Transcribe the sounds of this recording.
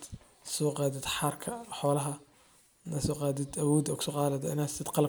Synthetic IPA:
sɔːqɑːd̪ɪd̪ħɑrkʰɐħɔːlɐɦɐ | nɐsɔːqɑːd̪ɪd̪ɐwɔːd̪ɔːkʰʊ̥sɔːqɑːlɛd̪ɐɪnḁt̪ʰɛd̪qɑl

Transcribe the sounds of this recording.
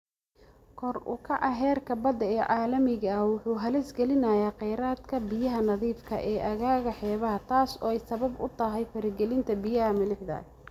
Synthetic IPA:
kʰɔrʊ̰kʰɐʔɐɦɛːrkʰɐbɐd̪ɐɛːʔɑːlɐmɪɣɐɐwʊħuːɦɐlɛsɡɛlɪnɐjaːqɛjɾaːd̪kʰɐbɪjɐɦɐnɐðiːfkʰɐ̰ʔɛːʔɐɣaːɣɐħɛːβɐɦɐt̪ʰaːsɔːɛjsɐβɐbʊ̰t̪ʰɐɦɛjfɐɾɪɡɛlɪnt̪ʰɐbɪjɐɦɐmɐlɪħd̪ɐ̰

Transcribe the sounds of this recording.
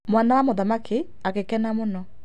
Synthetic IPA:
mwanawamoðamakʰe | akekɛnamonɔ

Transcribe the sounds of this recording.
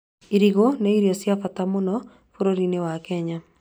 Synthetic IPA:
iɾiɣoneiɾiɔsjafatamonɔ | foɾoɾinewakɛɲa

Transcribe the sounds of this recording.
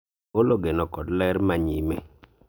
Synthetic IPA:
oloɡenɔkɔdlɛɾmaɲimḛ

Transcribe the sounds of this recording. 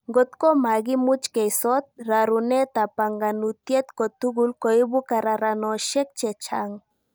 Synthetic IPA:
ɡɔt̪kɔmaɡimut͡ʃkejsɔt̪̚ɾaɾunet̪apaŋɡanut̪jet̪kɔt̪uɡulkoibukaɾaɾanɔʃɛk̚t͡ʃɛt͡ʃaŋ

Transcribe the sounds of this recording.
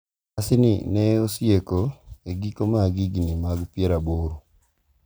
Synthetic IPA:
asɪnɪ̰nɛosjekoeɡikomaɡiɡnimaɡpjɛɾaboɾo

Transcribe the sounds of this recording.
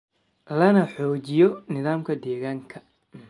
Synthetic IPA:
lɐnɐħɔːt͡ʃɪjɔnɪðaːmkʰɐd̪eːɣaːŋkʰɐ

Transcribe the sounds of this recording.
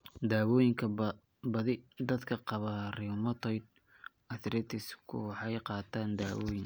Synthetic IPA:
d̪aːwɔːjɪŋkʰɐ | bɐðɪd̪ɐd̪kʰɐqɑβɐrɪmɐt̪ʰɔjd̪̚ | ɐθɾɛt̪ʰɪskʰʊ̰wħjqɑːt̪ʰaːnd̪aːwɔːjɪŋ

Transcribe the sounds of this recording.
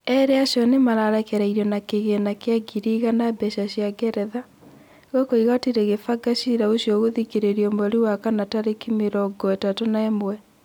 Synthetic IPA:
ɛɾeaʃjɔnemaɾaɾɛkɛɾaiɾɔnakeɣenakeaɡiɾiɣanabɛʃaɕjaɡɛɾɛða | ɣɔkoiɣatiɾɛɣefaɡaʃiɾaosjɔɣoðikeɾeɾiɔmɔɾiwakanataɾekimeɾɔɡɔɛtatonaɛmwɛ

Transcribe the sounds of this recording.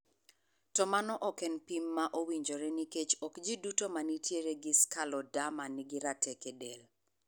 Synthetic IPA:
tɔmanɔʔɔkɛnpimːaʔowiɲd͡ʒoɾɛniket͡ʃɔkd͡ʒidutomanitʰjeɾeɡɪskalɔdamanɪɡɪɾatɛkedel

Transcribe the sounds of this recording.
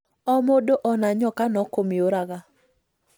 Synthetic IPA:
ɔmodoʔɔnaɲɔkanɔkomioɾaɡa

